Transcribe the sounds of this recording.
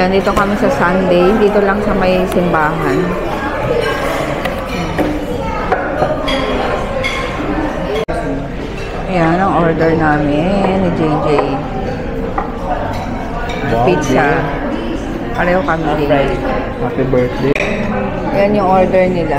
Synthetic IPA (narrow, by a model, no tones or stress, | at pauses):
jand̪iːt̪o̞kɐmisɐsɐnd̪ɛjd̪iːt̪olɐŋsɐmɐjsɪmbaːɦɐn | ʔɐjanɐŋʔoɹd̪ɛɹnaːmɪnːɪd͡ʒejd͡ʒej | pit͡ʃɐ | paɾɐjokɐmɪd̪ɪɡaj | atɛbɛɾt̪d̪e | janjʊŋʔoɹd̪ɛɹnɪla